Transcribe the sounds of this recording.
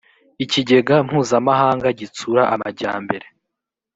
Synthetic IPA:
iciɟe̞ɡam̥huːzamaɦaːŋɡaɟit͡suɾaʔamaɟa̰ːmbe̞ɾe

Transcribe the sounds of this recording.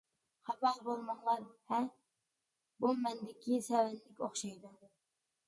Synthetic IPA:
χɑbɑlbolˠmɑŋlˠɑɾhɛ | bumɛnd̪ɪkʲʰisɛwɛnːɪkʲoχʃɑjd̪u

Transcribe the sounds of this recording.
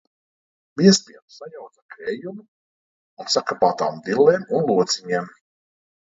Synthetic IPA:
viɛsp̪ʲiɛnsajawt̪zakɾɛjumu | unsakapaːt̪aːmvilːɛːmunlˠuɔt̪siɲeːm

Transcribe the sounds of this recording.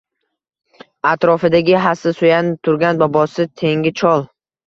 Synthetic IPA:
at̪ɾɒfɪd̪aɡʲɪɦasɪsojanɪp̚t̪ʰʊɾɡʲanbɒbɒsɪt̪ʰe̞ŋɡʲɪt͡ʃʰɒlˠ

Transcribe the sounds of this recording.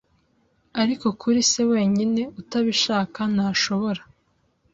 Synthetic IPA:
aɾiko̞kʰuɾise̞we̞ːɲine̞utaβiʃaːkanaːʃo̞βo̞ɾa

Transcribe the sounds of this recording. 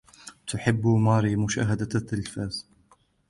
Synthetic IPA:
t̪ʊħɪbːmɑːɾiːmʊʃa̰ːɦad̪at̪ːɪlfaːz̥

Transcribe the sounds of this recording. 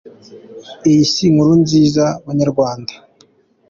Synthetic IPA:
ijisiŋuɾunziːzaβaɲaɾɡwaːndḁ

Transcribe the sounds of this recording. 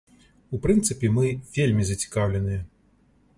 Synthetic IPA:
upɾɨnt̪sɨpʲɛmɨvʲelʲmʲizɐt͡sʲi̥kawlʲɛnɨjɐ

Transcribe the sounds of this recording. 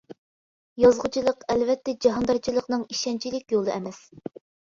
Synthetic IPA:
jɑzʁʊt͡ʃʰilˠəqɛlvɛt̪ːɛd͡ʒɑɦɑnd̪ɑt͡ʃʰilˠəqnɨŋiʃɛnt͡ʃʰilɪkʲjolˠɨɛmɛs

